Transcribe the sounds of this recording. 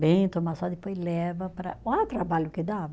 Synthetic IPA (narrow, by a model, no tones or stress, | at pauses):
bẽj̃t̪omasɔd̪ɪpojzlɛvɐpɾɐat̪ɾabaʎʊkɪd̪avɐ